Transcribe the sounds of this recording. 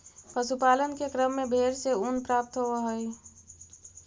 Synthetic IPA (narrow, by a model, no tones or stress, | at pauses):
pəsupaːlənkekɾəmːẽbʱeːɾseunpɾaːp̚t̪ɦoʋəɦoi